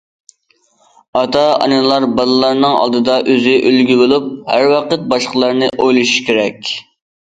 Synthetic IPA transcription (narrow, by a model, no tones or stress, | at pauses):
ɑt̪ɑɑ̰nɨlˠɑɾbɑlˠɨlˠɑɾnɨŋɑ̰lˠd̪ɨd̪ɑʔøzɪʔølɡʲybolˠup̚hæɾwɑqət̪̚bɑʃqəlˠɑɾnɨʔojlˠuʃu̥ʃkʲeɾɛkʲ